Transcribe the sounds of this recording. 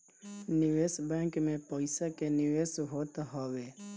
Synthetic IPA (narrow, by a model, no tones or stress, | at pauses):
nɪʋeːsbɛ̃ːŋkmẽpəɪsakenɪʋeːsɦoːt̪ɦəʋeː